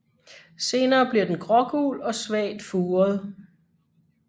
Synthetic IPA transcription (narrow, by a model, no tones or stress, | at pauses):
se̝ːnɐːb̥liɐd̥enɡ̥ʁɒ̽ɡ̥ṵːlɒ̽sʋɛ̰ːd̥fuːɐð̞ˠ